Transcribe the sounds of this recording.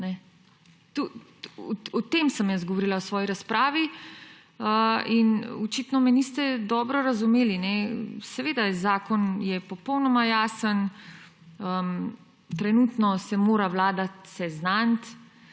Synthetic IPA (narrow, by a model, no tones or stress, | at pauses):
nɛ | t̪uɔɔt̪emsəmjazɡɔʋɔɾilaɔsʋɔːjiɾaspɾaːʋi | əinɔt͡ʃit̪nɔmɛnist̪ɛd̪ɔːbɾɔɾazumeːlinɛsɛʋeːd̪azaːkɔnjɛpɔpɔwnɔmajaːsən | əm | t̪ɾɛnuːt̪nɔsɛmoːɾaʋlaːd̪at̪sɛznant̪